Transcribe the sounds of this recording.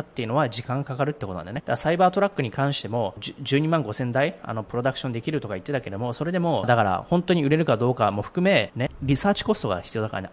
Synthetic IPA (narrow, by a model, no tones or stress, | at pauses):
t̪ːeiɯ̟no̞βad͡ʑikãŋkakaɾɯ̟t̪ːekotonã̰d̪aned̪aɡasaibaːt̪o̞ɾakːɯ̟ɲ̟ikãɰ̃ɕi̥t̪e̞mo̞ʑɨːɲ̟imãŋɡo̞sẽ̞nd̪aia̰no̞pɯ̟ɾo̞d̪akɯ̟̥ɕõnd̪e̞kʲiɾɯ̟t̪o̞kait̪ːe̞t̪ake̞eomo̞so̞ɾe̞d̪e̞mo̞d̪akaɾa̰hõ̞nt̪o̞ɲ̟iɯ̟ɾe̞ɾɯ̟kad̪o̞ːkamo̞ɸɯ̟̥kɯ̟me̞neɾʲisaːt͡ɕi̥ko̞st̪o̞ɡa̰çi̥t͡sɨijo̞ːd̪akaɾa̰na̰